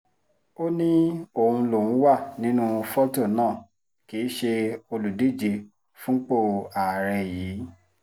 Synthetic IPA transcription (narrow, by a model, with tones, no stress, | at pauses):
o˦nĩ˦o˨hũ˧lo˨ũ˨˦wa˦˨nĩ˨˦nũ˦˧fɔ˦to˦˨nãː˦˨ | ki˨˦ʃe˧o˧lu˨de˦˨d͡ʒi˧ | fũ˦k͡po˦˨a˨ɾɛ˧jiː˨˦